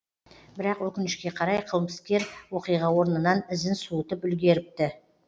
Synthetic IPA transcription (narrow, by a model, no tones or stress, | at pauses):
bɪɾɑqwɵkʲɪnɪʃkʲe̞qʰɑɾɑjqʰəlˠməskʲe̞ɾwo̞qijʁɑwo̞ɾnənɑnɪzɪnsuət̪əpʏlɡʲe̞ɾɪp̚t̪ɪ